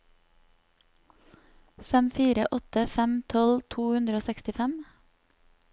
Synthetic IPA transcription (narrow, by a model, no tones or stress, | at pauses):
fɛmfiːɾə̰ʔɔt̪əfɛmt̪ʰɔlt̪ʰuːhʉnd̪ɾəoːsɛkst̪ɪfɛm